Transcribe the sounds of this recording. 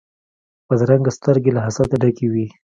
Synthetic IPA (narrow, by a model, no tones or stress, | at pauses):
pəd̪ɾaŋɡast̪əɾɡelaɦasat̪aɖakewi